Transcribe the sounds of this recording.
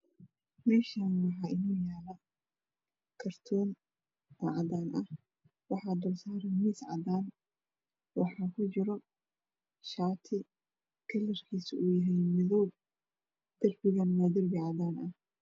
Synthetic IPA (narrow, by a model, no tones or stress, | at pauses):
mɛːʃaːnmɑħɑːɪnɔːjaːlɐ | kʰɐrt̪ʰɔːn | ʔɔʕɑdaːnʔɐh | wɑħɑːd̪ɔːlsaːɾɛmiːsʕɑ̰d̪aːn | wɑħɑːkʰʊt͡ʃɪɾɔ | ʃaːt̪ʰɪ | kʰɐlːɐrkʰiːsuːjɐɦɛjmɪðɔb | d̪̥ɐrbɪɣɐnwaːd̪ɐrbɪʕɑd̪aːnʔɐh